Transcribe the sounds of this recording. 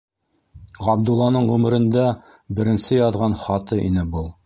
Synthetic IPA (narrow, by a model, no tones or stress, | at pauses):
ʁɑb̚d̪ulˠːɑnɤɴʁʉmɘ̆ɾɘ̆nd̪æ | bɘ̆ɾɘ̆nsɘjɑðʁɑnχɑt̪ɤʔḭnɘbɤlˠ